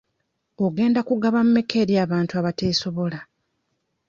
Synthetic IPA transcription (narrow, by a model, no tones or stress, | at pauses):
oɡe̞ːndakuɡaβam̩me̞ke̞ɾjaːβaːntuaβate̞ːso̞βo̞la